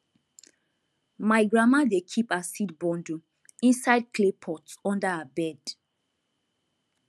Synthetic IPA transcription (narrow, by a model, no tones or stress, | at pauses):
maɪɡɹamadekʰipasitbɔ̃ndu | ĩnsaɪd̚kʰlepʰɔtɔ̃ndaabɛd